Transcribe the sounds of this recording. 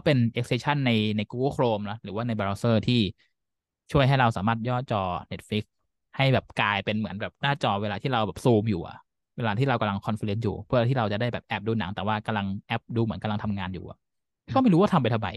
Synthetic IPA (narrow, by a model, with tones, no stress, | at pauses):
ɔ˥˩pe˧nʔe˦˥k̚se˧t͡ɕʰa˥˩nːa˧jna˧jkuː˧ɡo˥˩kʰɾoː˧mlɔ˦˥ɾɯː˩˦waː˥˩na˧jba˧aː˧sɤː˥˩t̪ʰiː˥˩ | t͡ɕʰu˥˩əjɦa˥˩jɾa˧wsaː˩˦maː˥˩t̪̚jɔː˥˩t̪̚t͡ɕɔː˧ne˦˥t̪̚fli˦˥k̚ | ha˥˩jbɛː˨˩p̚kaː˧jpe˧nmɯ˩˦ənbɛː˨˩p̚naː˥˩t͡ɕɔː˧weː˧laː˧t̪ʰiː˥˩ɾa˧wbɛː˨˩p̚suː˧mjuː˨˩ʔa̰˨˩ʔ | weː˧laː˧iː˥˩ɾa˧wka˧mla˧ŋkʰɔ˧nfi˧le˨˦njṵː˨˩pʰɯ˥˩a˧t̪iː˥˩ɾa˧wt͡ɕa˨˩daː˥˩jbɛː˨˩p̚ʔɛː˨˩p̚duː˧na˩˦ŋt̪ɛː˨˩waː˥˩ka˧mla˧ŋʔɛ˦˥p̚duː˧mɯ˩˦nka˧la˧ŋt̪ʰa˧mŋaː˧njṵː˨˩ʔa̰˩˥ | kʰːma˥˩jɾuː˦˥wa˥t̪ʰa˧mpa˧jt̪ʰa˧wba̰˧j